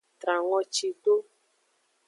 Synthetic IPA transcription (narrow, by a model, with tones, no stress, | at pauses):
t̪ɾa˨ŋɔ˦t͡ʃi˧ɖo˦